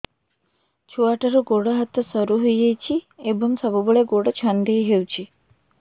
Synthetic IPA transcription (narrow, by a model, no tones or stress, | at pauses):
t͡ʃʰuaʈaɾɔɡoɽɔɦat̪ɔsɔɾuɦujejt͡ʃʰiebɔŋsɔbɔbɔɭeɡoɽɔt͡ʃʰand̪ejɦewt͡ʃʰi